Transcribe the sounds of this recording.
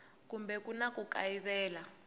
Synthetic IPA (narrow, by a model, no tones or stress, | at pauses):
kumbɛkunakuka̰iβɛːla